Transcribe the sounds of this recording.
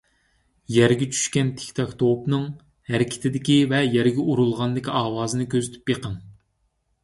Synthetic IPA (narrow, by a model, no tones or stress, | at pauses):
jɛɾɡʲɛt͡ʃʰy̥ʃkʲɛnt̪ʰe̥kʲt̪ʰɑkt̪ʰowpnɨŋ | hæɾɪkʲʰɪ̥t̪ʰɪd̪ɪkʲivɛjɛɾɡʲɛʔuɾulˠʁɑnd̪ɪkʲiɑːwɑːzɨnɨkʲʰøzyt̪ʰy̥pjeqʰəŋ